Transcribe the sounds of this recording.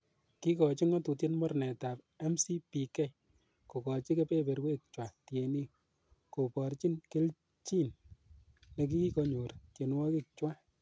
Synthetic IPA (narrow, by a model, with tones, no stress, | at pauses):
ki˦kɔ˨t͡ʃi˦ŋɔ˦tu˨ti˦nmɔ˦rnɛ˨ta˨p | ɛ˦msi˦pi˨kɛ˦j | ko˨kɔ˨t͡ʃi˦ke˦pe˦be˨ɾwe˦k̚t͡ʃwa˨tje˨ni˦ | ko˨pɔ˨ɾt͡ʃi˦nkɪ˦l | t͡ʃi˦n | ne˨k̬i˦ki˦kɔ˧ɲo˨ɾtje˨nwɔ˦ki˦k̚t͡ʃwa˦